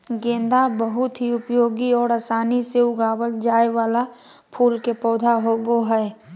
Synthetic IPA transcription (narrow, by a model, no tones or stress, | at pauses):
ɡẽːnd̪abəɦʊt̪ɦiʊpjoːɡiɔːɾaːsaːniseʊɡaːwəld͡ʒaːewaːla | pʰuːlkepɔːd̪ʱaɦoːɡoɦɛː